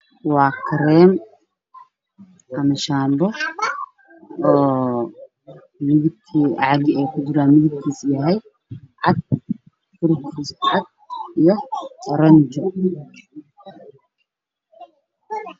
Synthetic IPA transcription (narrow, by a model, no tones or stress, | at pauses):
wɑːkʰɐɾɛːm | ʔɐmɐʃaːmbɔ | ɔː | mɪðɪb̚kʰiʕɑɣɪɛjkʰʊd͡ʒɪɾaːnmɪðɪb̚kʰiːsjɐɦɛj | ʕɑd̪̚ | fʊɾkʰiːsʕɑd̪̚ijɔɐɾɐnd͡ʒɔ